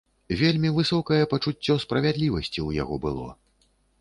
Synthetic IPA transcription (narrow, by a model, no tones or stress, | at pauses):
vʲelʲmʲivɨsɔkɐjɛpɐt͡ʂut͡sʲːɔspɾɐvʲad̪lʲivɐsʲt͡sʲiwja̰ɣɔbɨlˠɔ̰